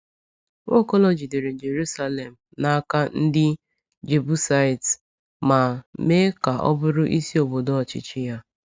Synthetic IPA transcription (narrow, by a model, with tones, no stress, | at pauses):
ŋo˦kɔ˦lɔ˨d͡ʒi˨de˨ɾe˨d͡ʒe˨ɾu˦sa˦le˨m̩˨na˦a˦ka˦n̩˦dɪ˦ | d͡ʒe˨bu˦sa˦i˨t | ma˨me˦ka˨ʔɔ̰˦bʊ˦ɾʊ˦ʔi˦si˦o˨bo˨do˦ɔ˨t͡ʃɪ̰˨t͡ʃɪ˦ja˦